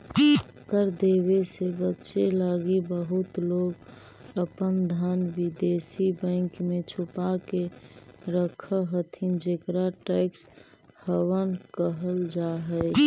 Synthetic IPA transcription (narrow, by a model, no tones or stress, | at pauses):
kəɾd̪ewesebətːʃelaɡibəɦʊt̪loːɡ | əpənd̪ʱənʋɪd̪esibɛ̃ɪŋkmẽt͡ʃʰʊpake | ɾəkʰəɦət̪ʰind͡ʒekɾaʈɛɪks | həwənkəɦəld͡ʒaɦɛɪ